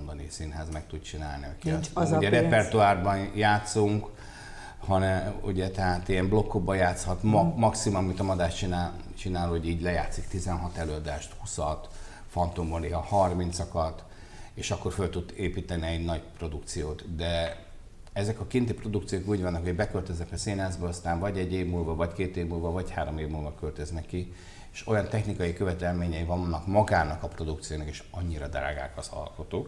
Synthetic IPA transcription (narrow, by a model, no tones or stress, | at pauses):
nd̪onisinɦɛzmɛk̚t̪ut̪̚t͡ʃina̰ːlniɒ̰kit̪ɟɛɾɛpɛrt̪uaːrbɒnjaːt̪suŋk | hɒnɛṵɟɛt̪ɛɦaːt̪ijɛmblo̞kːobɒjaːt̪shɒt̪mmɒksimumːit̪ɒmɒd̪aːʃt͡ʃint͡ʃinaːlhoɟiːɟlɛja̰ːt̪sikt̪izɛnɦɒt̪ɛløːɒd̪aːʃt̪husɒt̪ | fɒnt̪omboliɒhɒrmint̪sɒkɒt̪ | eːʃɒkːo̞rfølt̪ud̪eːpiːt̪ɛniɛɟnɒɟpro̞d̪ukt̪sijoːt̪d̪ɛ | ɛzɛkɒkint̪ipro̞d̪ukt̪sijoːkuːɟvɒnːɒkhoɟbɛkølt̪øznɛkɛseːnaːzbɒɒst̪aːɱvɒɟɛɟːeːvmulvɒvɒckeːt̪eːvmulvɒvɒchaːɾo̞meːvmuːlvɒkølt̪øznɛkːi | eʃo̞jɒnt̪ɛxnikɒjikøvɛt̪ɛlmeːɲɛjivɒnːɒkmɒɡaːnɒkɒpro̞d̪ukt̪sijoːnkeːʃɒɲːiɾɒd̪ɾa̰ːɡa̰ːlkɒz̥ɒ̰lko̞t̪oːk